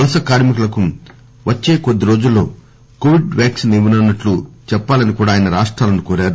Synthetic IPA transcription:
ɐlɐsɐkaːɾmikulɐku | ʋɐt͡ʃːe̞ːkod̪ːiɾo̞ːd͡ʒulːo̞̰ː | koːʋiɖʋaːksneːʋunɐnːɐʈlut͡ʃɛpːaːlɐnikuːɽaːjɐnɐɾaːʂʈɾaːlɐnukoːɾaːɾu

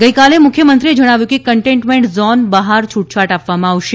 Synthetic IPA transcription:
ɡəjkalemʊkʰjəmənt̪ɾied͡ʒəɽ̃aʋjũkekəɳʈẽɳʈmeɳʈzɔnbəɦaɾt͡ʃʰuʈ̚t͡ʃʰaʈapʋamãaʋʃe

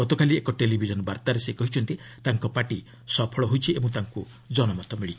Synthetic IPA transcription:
ɔt̪ɔkaliekɔʈelibʱid͡ʒɔnɔbaɾt̪aɾesekɔɦit͡ʃʰɔnt̪it̪aŋkɔpaʈi | sɔpʰɔɭɔɦojt͡ʃʰiebɔ̃ŋt̪aŋku | d͡ʒɔnɔmat̪ɔmiɭit͡ʃʰi

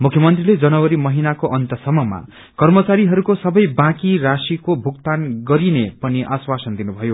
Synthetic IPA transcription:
mukʰjʌmʌnt̪riled͡zʌnʌwʌɾimʌɦinakoʔʌnt̪ʌsʌmʌma̰ | kʌrmʌt͡saɾiɦʌɾukosʌbʌjbãkirasikobʱuk̚t̪anɡʌɾinepʌniʔaswasʌnd̪inubʱʌjo

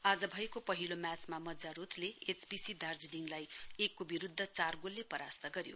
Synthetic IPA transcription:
ad͡zʌbʱʌjekopʌɦilomjat͡smamʌd͡zaɾut̪ʰleet͡sbisid̪ard͡zɖiŋlajekːobiɾud̪ʱːʌt͡sarɡolːepʌɾast̪ʌɡʌɾjo

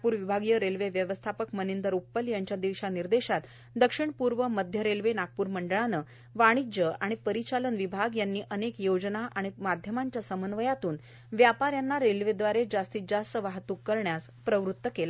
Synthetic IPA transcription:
puːɾʋibʱaɡijəɾelʋeʋjəʋəst̪ʰapəkmənind̪əɾupːəljaɲt͡ɕjad̪iʋɕaniɾd̪eɕat̪ | d̪əkʂiɳpuɾʋəməd̪ʱjəɾelʋenaɡ̚puːɾməɳɖəɭanə | ʋaɽ̃id͡ʑəaɽ̃ipəɾit͡ɕalənʋibʱaɡjanːiːʔənekjod͡znaʔaɽ̃imad̪ʱjəmaɲt͡ɕjasəmənʋəjat̪uːn | ʋjapaɾjanːaɾelʋed̪ʋaɾed͡ʑast̪iːd͡ʑast̪əʋaɦt̪ukːəɾɳjas | pɾəʋɾut̪ːəkela

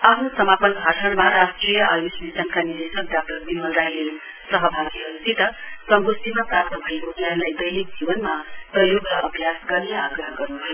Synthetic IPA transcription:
apʰnusʌmapʌnbʱasʰʌɽmaɾasʈrijʌʔajusmisankaniɾesʌk̚dak̚ʈʌrbimʌlɾajle | sʌɦʌbʱaɡiɦʌusit̪ʌsʌŋɡosimaprap̚t̪ʌbʱʌikokanlajd̪ʌjlik̚d͡zibʌnmaprʌjoɡlʌʔʌbʱjasɡʌrneaɡrʌɦʌɡʌrnubʱʌjo

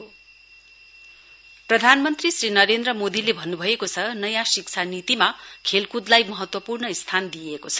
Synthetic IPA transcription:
prʌd̪ʱanmʌnt̪risrinʌɾend̪ɾʌmod̪ilebʱʌnːubʱʌekot͡sʰʌnʌjãsikt͡sʰanit̪imakʰelkud̪lajmʌɦʌt̪wʌpurnʌist̪ʰand̪ijekot͡sʰʌ̥

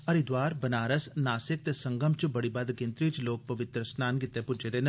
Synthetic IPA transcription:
ɐɾid̪waːɾbɐnaːɾəsnaːsɪk̚t̪eːsɐŋɡəmt͡ʃbɐɽibɐd̪kẽnt̪ɾiːt͡ʃloːk̚pɐʋɪt̪ɾəsnaːnkɪt̪ːepʊd͡ʒeːd̪eːn

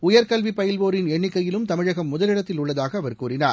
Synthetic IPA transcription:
ʊjɐɾkɐlʋipɐjɐlʋoːɾɪnɛɳːɪkːɐjɪlɯmt̪ɐmɪɻɐɣɐmːʊðɐlɪɽɐt̪ːɪlʊɭːɐðaːɣɐːʋɐɾkuːrɪnaːɾ

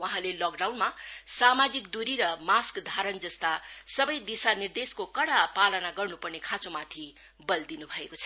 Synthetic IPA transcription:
waɦãlelɔk̚ɖawnmasamad͡zikd̪uɾiɾʌmaskd̪ʱaɾʌnd͡zʌst̪asʌbʌjd̪isanird̪eskokʌɽapalʌnaɡʌrnupʌrnekʰãt͡sõmat̪ʰi | bʌld̪inubʱʌekot͡sʰʌ̥

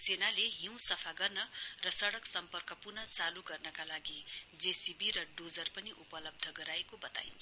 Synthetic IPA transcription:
senaleɦĩw̃sʌpʰaɡʌrnʌrʌsʌɽʌksʌmpʌrkʌpurnʌt͡saluɡʌrnʌkalaɡid͡zesibiɾʌɖod͡zʌrpʌniʔupʌlʌb̚d̪ʱʌɡʌɾaekobʌt̪a̰jnt͡sʰ

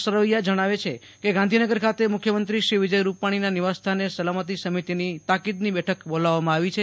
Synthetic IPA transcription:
səɾoijad͡ʒəɽ̃aʋet͡ʃʰe | keɡãnd̪ʱinəɡəɾkʰat̪emʊkʰjəmənt̪ɾiʃɾiʋɪd͡ʒəjɾupaɽ̃inaniʋast̪ʰanesəlamət̪̬isəmit̪init̪akid̪nibɛʈʰəkbolaʋːamãaʋit͡ʃʰe

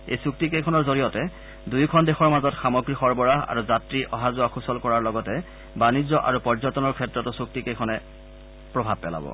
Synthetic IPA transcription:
ḛjsuk̚tikejkʰɔnɔɹzoɹijɔtɛ | dujkʰɔndexʰɔɹmazɔtxamɔɡɹixɔɹbɔɹaa̰ɹuzatɹiʔɔɦazʊaxusɔlkɔɹaɹlɔɡɔtɛ | banizɔʔa̰ɹupɔɹzɔtɔnɔɹkʰɛtɹɔtʊsuk̚tikejkʰɔnɛ | pɹɔbʱab̚pːɛ̰la̰bɔ̰

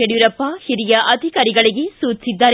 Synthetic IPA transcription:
eɽjuɾɐpːɐhiɾijɐʔɐd̪ʱikaːɾiɡɐɭiɡesuːt͡ʃːsid̪ːaːɾ

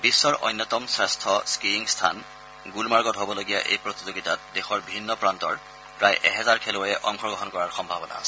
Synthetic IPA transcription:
bisːɔɹʔɔ̰jnːɔtɔmsɹɛstʰɔskiiŋstʰa̰n | ɡulmaɹɡɔtɦobɔloɡija̰ʔḛjpɹɔtizoɡitat̚dexɔɹbʱinːɔpɹantɔɹ | pɹajʔɛɦɛzaɹkʰelʊjɛʔɔŋkʰɔɹɡɔɦɔnkɔɹaɹxɔmbʱabɔna̰s

